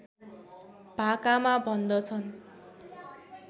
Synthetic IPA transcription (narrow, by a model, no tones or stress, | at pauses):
b̥ʱakamabʱʌnd̪ʌt͡sʰʌn